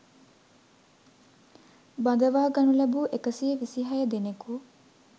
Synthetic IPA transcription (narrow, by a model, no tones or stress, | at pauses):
bɐd̪ɐʋaːɡɐnulɐbuʔekəsijeʋisiɦɐjəd̪eneku